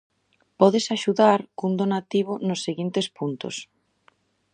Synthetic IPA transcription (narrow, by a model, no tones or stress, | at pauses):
pɔðɪsaʃuðaɾkund̪onat̪iβ̞ʊnʊsːeɣint̪espunt̪ʊ̰s